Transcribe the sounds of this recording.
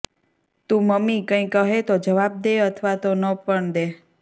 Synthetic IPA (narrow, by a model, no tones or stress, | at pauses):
t̪ũməmikə̃ĩkəɦet̪od͡ʒəʋab̚d̪eət̪ʰʋat̪onəpəɳd̪e